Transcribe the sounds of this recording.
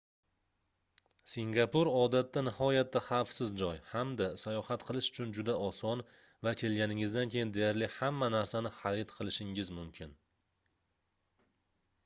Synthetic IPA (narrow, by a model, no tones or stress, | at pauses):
siŋɡapʊɾɒd̪at̪ːanɪhɒjat̪ːaχafsɪzd͡ʒɒjhamd̪asajɒhat̪qʰɨlˠɪʃʊ̥t͡ʃʰʊnd͡ʒʊd̪aʔɒsɒn | vakʲʰe̞lɡʲanɪŋɪzd̪ankʲʰe̞jɪnd̪e̞jaɾlɪhamːanaɾsanɪχaɾɪt̪qʰɨlˠɪʃɪŋɪzmʊmkʲʰɪn